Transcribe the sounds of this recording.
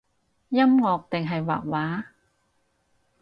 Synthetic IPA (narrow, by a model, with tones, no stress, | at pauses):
ja˥˨mŋɔː˧˩k̚t̪e˨˩ŋɦa˨˩jwa̰ː˨˩k̚waː˨˥